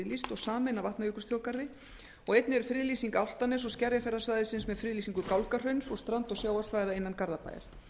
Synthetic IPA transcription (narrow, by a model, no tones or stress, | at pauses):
list̪ɔɣsaːmɛnavaht̪najʏːkʏɾ̥st̪ɾjoːwkaɾðɪ | ɔɣejt̪̚nɪɛɾ̥fɾɪðliːsiŋkawl̥t̪anɛsɔɣscɛɾjafɛɾðasvaːjðɪsɪnsmɛðfɾɪðliːsiŋkʏkawlkar̥œɥnsɔst̪ɾant̪ɔɣsjaːwḁsvaːjðaejnːankaɾðapa̰jɪ̰ɾ̥